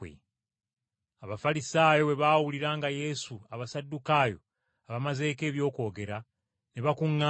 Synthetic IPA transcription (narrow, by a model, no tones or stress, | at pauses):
ḛ | aβafalisaːjo̞we̞βaːwuliɾaːŋɡaje̞suaβasadːukaːjo̞̰ | aβamaze̞ːke̞ːβjo̞ːko̞ːɡe̞ɾa | neβakuŋːa